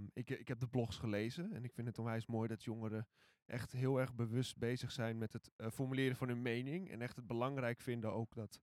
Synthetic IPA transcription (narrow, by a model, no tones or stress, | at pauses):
ɪkɪkɦɛp̚dəblɔxsχəleːzəɛnɪkfɪntətonʋɛjsmoːjdɔtʰjoŋəɾə | ʔɛ̰xtɦɪːəlˠɛrɣbəʋɵst̚bejzəxsɛjnmɛtɦətfɔrmylɪːɾəvɔnynmejnɪŋɛ̰nɛxtət̚bəlɑŋrɛjkfɪndəowkdɔt